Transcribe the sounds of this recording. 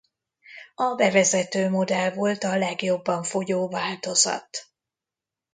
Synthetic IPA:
ɒbɛvɛzɛt̪øːmo̞d̪ɛlvo̞lt̪ɒlɛɡjo̞bːɒɱfojoːvaːlt̪o̞zɒ̰t̪

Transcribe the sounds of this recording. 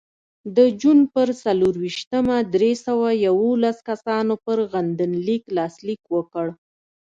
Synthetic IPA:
d̪əd͡ʒunpəɾsaluɾwiʃt̪əmad̪ɾesawajawolaskasɑnopəɾɣand̪ənliklɑslikwəkəɽ

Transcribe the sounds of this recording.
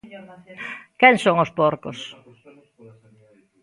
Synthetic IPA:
kɛŋsoŋospoɾko̰s

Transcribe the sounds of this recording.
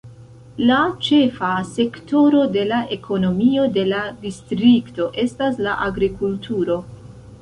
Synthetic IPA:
lat͡ʃe̞fase̞kto̞ɾo̞de̞laʔe̞kʰo̞no̞mio̞de̞ladistɾikto̞ʔe̞staslaʔaɡɾikultuɾo̞

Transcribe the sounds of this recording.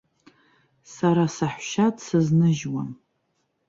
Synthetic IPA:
saɾasaħʷʃadsɨznɨʒwam

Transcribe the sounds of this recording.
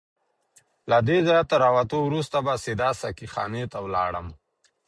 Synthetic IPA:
lad̪ezɑjat̪ːəɾɑwat̪owɾust̪abasɪd̪ɑsakixɑ̰net̪awlɑ̰ɽəm

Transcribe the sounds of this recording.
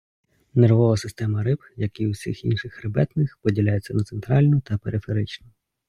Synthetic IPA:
nerʋɔʋɐsɪst̪ɛmɐɾɪpjɐkiwsʲḭxḭnʃɪxrɪbɛt̪nɪxpɔdʲilʲajet͡sʲːɐnɐt̪sent̪ɾɑlʲnʊt̪ɐpeɾʔɪfe̞ɾɪt͡ʃnʊ

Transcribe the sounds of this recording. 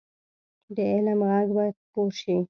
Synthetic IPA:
d̪əelamɣaɡbajat̪̚poɾʃi

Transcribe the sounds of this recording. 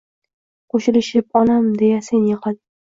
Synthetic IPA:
qoʃɪlɪʃɪp̚ɒnamd̪ejasenjɪqɑl

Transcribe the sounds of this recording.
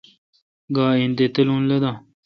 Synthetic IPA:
ɡaːind̪et̪ɐlũːnlɐd̪aː

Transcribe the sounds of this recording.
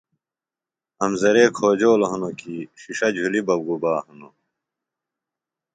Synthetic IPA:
ɐmzɐɾeːkʰoːd͡ʑoːloɦunokiːɕiʂɐd͡ʑʱulibɐbɡubaːhuno

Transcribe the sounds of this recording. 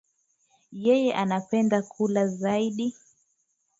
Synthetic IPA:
jɛjɛʔanapɛndakʰulazaiɗi

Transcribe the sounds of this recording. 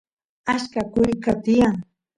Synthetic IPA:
aʃkakʊjkat̪ɪjaŋ

